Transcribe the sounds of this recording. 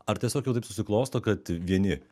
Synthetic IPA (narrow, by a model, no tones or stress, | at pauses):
ɐɾtʲiɛsʲoːkjɛʊt̪ɐɪpsʊsʲɪklˠoːst̪oːkɐt̪ʋʲiɛnʲɪ